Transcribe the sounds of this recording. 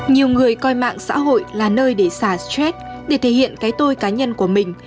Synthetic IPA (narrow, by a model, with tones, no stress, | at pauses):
ɲi˨˩əwŋɨ˨˩əjkɔ˧jma̰ː˧˨ŋsa̰ː˧˥ɦo̰˧˨jlaː˨˩nəː˧jɗe˧˩saː˧˩stɛ˦˥k̚ | ɗe˧˩t̪ʰe˧˩hḭ˧˨ənkaː˨˦jt̪o˧jkaː˨˦ɲə˧nku˧˩əmï˨˩ŋ̟